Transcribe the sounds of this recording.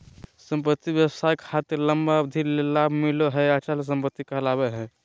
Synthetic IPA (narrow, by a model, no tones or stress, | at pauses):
səmpət̪ːibjəwəsajkhat̪eləmbad̪ʱiɾlelabʱmiloɦɛat͡ʃals̬əmpət̪ːikəɦlabeɦɛ̃